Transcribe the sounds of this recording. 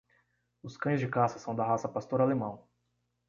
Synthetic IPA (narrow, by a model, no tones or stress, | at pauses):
ʊskɐ̃j̃zd͡ʒɪkasɐsɐ̃w̃d̪ɐɦasɐpast̪oɾalemɐ̃w̃